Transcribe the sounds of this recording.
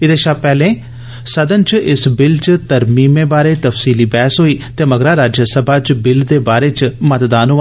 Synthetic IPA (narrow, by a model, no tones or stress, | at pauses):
ɪd̪eːʃaːpɛːlẽː | səd̪ənt͡ʃɪsbɪlt͡ʃt̪əɾmiːmẽːbaːɾeːt̪əfsiːliːbɛːsɦoːiːt̪eːməɡɾaːɾaːd͡ʒəsəbaːt͡ʃbɪld̪eːbaːɾeːt͡ʃmət̪d̪aːnɦoːʋa